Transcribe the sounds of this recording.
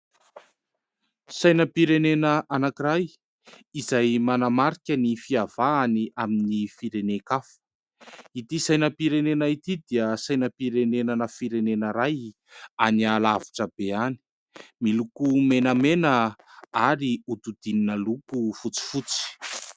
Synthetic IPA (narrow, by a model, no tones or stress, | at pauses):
sajnəpiɾenenəʔanakiraj | izajmanamaɾikʲənifiav̥aːniaminifiɾenekafu̥ | it̪isajnəpiɾenenait̪id̪iəsajnəpiɾenenənəfiɾenenəɾaj | anialaviʈ͡ʂəb̥eani̥ | milukumenəmenəaɾiut̪ud̪ininəlukufut͡si̥fut͡si̥